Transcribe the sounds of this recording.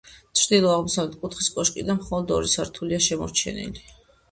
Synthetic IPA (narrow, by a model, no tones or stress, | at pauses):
t͡ʃ̪ʰɾd̪ilˠɔaʁmɔsavlɛt̪̚ʰkʼut̪χiskʼɔʃkʼid̪anmχɔlˠɔd̪ɔ̰ɾisaɾt̪ʰuliaʃɛmɔ̰ɾt͡ʃʰɛ̰nḭli